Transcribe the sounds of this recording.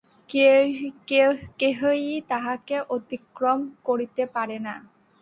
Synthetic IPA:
keɦojit̪aɦakeʔot̪ikɾomkoɾit̪epaɾena

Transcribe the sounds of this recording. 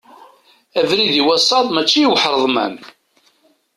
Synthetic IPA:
ævɾiðiwæsˤɑðˤmæt͡ʃːijiwħɾˤəðˤmæ̰n

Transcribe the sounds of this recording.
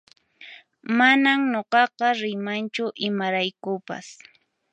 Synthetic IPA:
manamɲoqɑqɑɾɪmant͡ʃʊʔɪmaɾajkʊpa̰s

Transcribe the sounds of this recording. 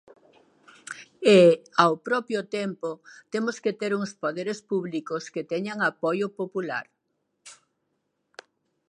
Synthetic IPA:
eawpɾɔpjʊt̪empot̪emʊsket̪eɾuŋspoðeɾespuβlikʊsket̪ɛɲaŋapojʊpopula̰ɾ

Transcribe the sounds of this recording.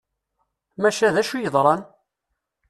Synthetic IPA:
mæʃæðæʃujəðˤɾˤɑn

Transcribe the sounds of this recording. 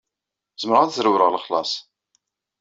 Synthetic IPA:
zməɾəʁæðzɾuwɾəʁləχlɑ̰sˤ

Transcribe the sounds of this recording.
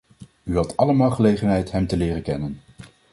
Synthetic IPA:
yɦɑtɑləmaːlˠχəlejχənɦɛjtɦɛmtəlɪːrəkɛnən

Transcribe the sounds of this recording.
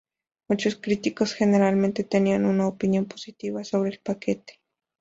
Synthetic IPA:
mot͡ʃoskɾit̪ikosxeneɾalment̪et̪enianunaopinjomposit̪iβasoβɾeːlpaket̪e̥

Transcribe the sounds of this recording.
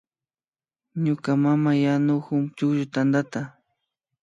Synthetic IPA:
ɲʊkamamajanʊxʊmt͡ʃʊkʒʊt̪and̪at̪a

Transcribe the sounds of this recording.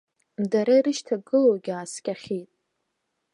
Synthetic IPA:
mdaɾaiɾɨʃtʰaɡɨlowɡʲaːskʲʼaχʲitʼ

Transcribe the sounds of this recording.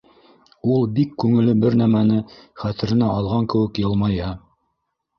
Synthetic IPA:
ulˠbikːʉŋɘ̆lɘbɘɾnæmænɘχæt̪ɘ̆ɾɘ̆næʔɑlˠʁɑŋkɘ̆wɘ̆kjɤ̆lˠmɑjɤ

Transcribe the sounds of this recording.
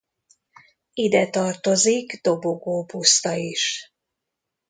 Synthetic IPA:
id̪ɛt̪ɒrt̪o̞ziɡd̪o̞bo̞ɡoːpust̪ɒiʃ

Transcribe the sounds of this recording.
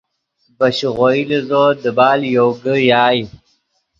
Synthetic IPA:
bəɕɣoilizod̪əbɑːljoɡəjaːj

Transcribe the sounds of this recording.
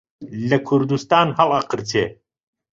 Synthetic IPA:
lɐkʰuɾd̪ust̪aːnhɐlɐqəɾt̪ʰeː

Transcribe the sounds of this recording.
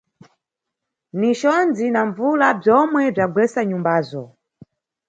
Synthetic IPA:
niʃɔnd͡zinaɱvulab͡ʐjɔmwɛb͡ʐaɡwɛsaɲumbaːzɔ

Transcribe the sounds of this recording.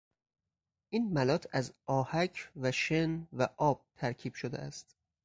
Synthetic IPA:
ʔiːnmælɒːt̪ʰæzɒːhæcʰvæʃenvæʔɒːb̥̚t̪ʰæɾcʰiːb̥ʃod̪eʔæst̪

